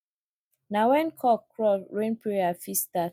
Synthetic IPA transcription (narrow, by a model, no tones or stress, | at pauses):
nawɛ̃nkʰɔkːɹɔɹẽnpɹeafista